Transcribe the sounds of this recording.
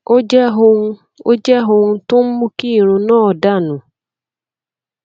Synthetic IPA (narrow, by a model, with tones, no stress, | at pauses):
o˦d͡ʒɦo˧˦˧ | o̰˦d͡ʒɛ˦ɦo˧ŋu˧tʊ˦m̩˦mu˦ki˦˨ɾ̃ũ˧nɔː˦ɔ˨da˦˨nʊ̃˨